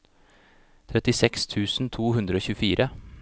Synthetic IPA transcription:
t̪ʰɾɛt̪ɪsɛkst̪ʰʉːsn̩t̪ʰuːhʉnd̪ɾəoːçʉːfiːɾʔə

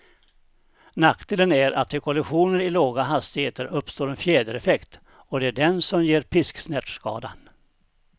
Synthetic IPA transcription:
nakd̪̥ɪːlənæɾʔa̰t̪̚fɛkʰɔlɪɧuːnəɾɪloːɡaɦast̪ɪheːt̪əɾɵpːst̪oːɾɛnfjeːd̪əɾɛfɛkt̪ | ɔd̪ɛæɖɛnsɔmjeːɾpʰɪsksnɛʈ̪ʂkɑ̰ːd̪an

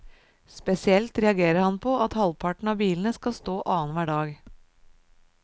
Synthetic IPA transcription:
spɛsɪɛlt̪ɾɛɑɡeːɾəɾhɑnpʰɔʔɑt̪hɑlpʰɑʈɳ̩ɑːbiːln̩əskɑst̪oːʔɑːənʋæːɖɑːɡ

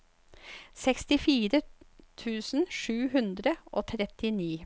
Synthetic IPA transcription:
sɛkst̪ɪfiːɾət̪ʰʉːsn̩ʂʉːɦʉnd̪ɾəʔoːt̪ʰɾɛt̪ɪniː

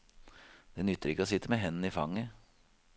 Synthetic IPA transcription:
d̪̥ɛnʏt̪ːəɾɪkːəosɪt̪ːəmeːɦɛnn̩iːfɑŋːə

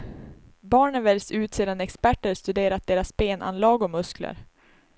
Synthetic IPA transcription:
bɑːɳənvɛlʲsʉ̟ːt̪seːd̪anɛkspæʈːəɾʂt̪ɵd̪eːɾat̪̚d̪eːɾasbeːnʔa̰nlɑːɡɔmɵsklə̰ɾ

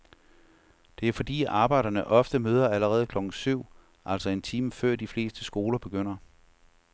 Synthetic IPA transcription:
d̥e̝æɐfɒ̽d̥ḭːɑ̈ːb̥ɑ̈ɪɾ̥ɐnəʔɒ̽fd̥əmøːð̞ˠɐæləʁɛːð̞̩ˠkʰlɒ̽ɡ̥n̩syʊ̰ | ʔæl̰sɒ̽e̝nt͡sʰiːməfɶɐ̰d̥ifle̝̰ːsd̥əsɡ̥o̝ːlɐb̥e̝ɡ̥øn̰ɐ

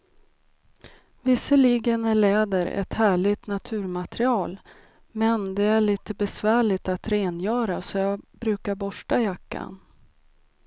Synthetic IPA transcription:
vɪsːəliːɡənæɭɛːd̪əɾɛ̰t̪hæːɭɪɡt̪nat̪ʰʉ̟ːɾmat̪ɾɪɑːl | mɛnd̪ɛæɭiːt̪əbɛsvæːɭɪt̪at̪ɾeːnjœːɾasɔjɑːbɾʉ̟ːkaɾbɔʂʈajakʰːa̰n

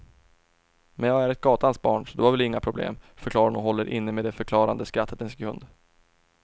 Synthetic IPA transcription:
mɛnjɑːɡæɾɛt̪̚ɡɑːt̪ansbɑːɳsɔd̪ɵhaɾvɛlɪŋːapʰɾʊblḛːmfœɾkʰlɑːɾanɔɦɔlːəɾʔɪ̰nːəmeːd̪ɛfœɾkʰlɑːɾa̰nd̪əskɾat̪ʰːət̪ɛnsɡɾɵ̰nd̪

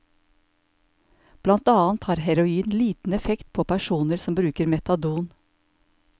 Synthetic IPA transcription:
b̥lɑnt̪ɑːɑnt̪hɑːɾhæɾʊiːnliːt̪n̩ɛfɛkt̪̚pʰoːpʰæʃuːnəɾsɔmbɾʉːkəɾmɛt̪ɑd̪uːn

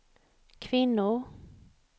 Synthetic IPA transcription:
kʰvɪnːʊɾ

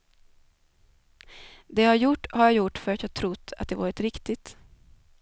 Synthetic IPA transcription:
d̪ɛhaɾjʊʈːhaɾjaːjʊʈːfœɾat̪jɑːɡt̪ʰɾʊt̪ːa̰t̪̚d̪ɛvɑ̰ːɾɪt̪ɾɪkt̪ɪt̪

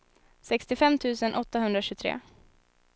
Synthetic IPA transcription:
sɛkst̪ɪfɛmːt̪ʰʉ̟ːsənʔɔt̪ːaɦɵnd̪ɾaɕʉ̟ːt̪ʰɾḛː

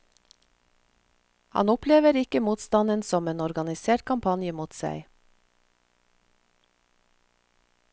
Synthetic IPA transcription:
hɑ̰nʊpleːʋəɾɪkəmuːt̪st̪ɑnənsɔmeːnɔɾɡɑnɪseːʈ̚kʰɑmpʰɑnjəmuːt̪sæ̰ɪ

